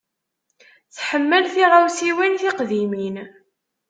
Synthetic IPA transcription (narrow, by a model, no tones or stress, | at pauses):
θħəmːəlθiʁawsiwinθɪqðimin